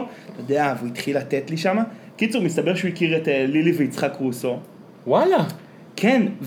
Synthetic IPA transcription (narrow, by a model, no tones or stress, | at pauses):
od̪eavuit̪χilat̪etliʃamakit͡suʁmist̪abeʁʃeuikiʁetliliveit͡sχakʁuːso̞ | wala | kʰenv